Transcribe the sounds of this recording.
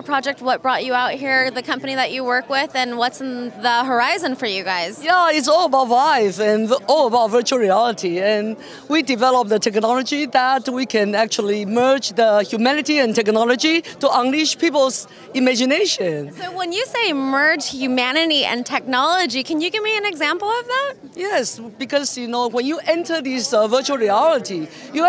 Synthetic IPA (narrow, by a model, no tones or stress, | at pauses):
əpʰɹ̥ɑd͡ʒɛk̚t̚wʌt̚b̥ɹɔt͡ʃɨaʊt̚hiɹðɨkʰʌ̃mpɨniðɨt͡ʃɨwɜ˞kwɪðɨ̃nwʌtsnðəɦə˞aɪzɨ̃nfə˞jɨɡaɪz̥jæɪtsɔlˠəbaʊtlaɪfɨ̃nɔləbaʊtvɜ˞t͡ʃuəl̩ˠɹiælˠəɾʰiɨ̃n | widɨvɛləp̚ðətʰɛk̚nɑlˠəd͡ʒiðət̚wikʰɨ̃næk̚t͡ʃul̩ˠimɜ˞d͡ʒðəhjumæ̃nɨtiɨ̃ntʰɛk̚nɑlˠəd͡ʒitəʔʌ̃ŋlɪʃpʰipl̩ˠz | ɪmæd͡ʒɨneɪʃɨ̃nsoʊwə̃njɨseɪɨmɜ˞d͡ʒ̥hjʉmænɨɾiʔɨ̰̃ntʰɛk̚nɑlˠəd͡ʒikʰɨ̃njɨɡɪvmiɨ̃nɨɡzæ̃mpl̩ˠʌvðæt̚ | jɛsb̥ɨkʰʌz̥jɨnoʊwə̃njɨʔɛ̃ntʰə˞ðisvɜ˞t͡ʃul̩ˠɹiælˠətijɨ